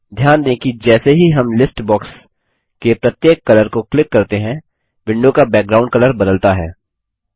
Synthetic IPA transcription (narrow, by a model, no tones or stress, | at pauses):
d̪ʱjaːnd̪ẽːkid͡ʒɛːseɦiɦɐmlɪsʈbɔːks | kepɾɐt̪jeːkːɐləɾkoklɪkːɐɾt̪eɦɛ̃ | bɪ̃ɳɖõkabɛːk̚ɡɾaːʊ̃ɳɖ̚kɐləɾbɐd̪əlt̪aɦɛː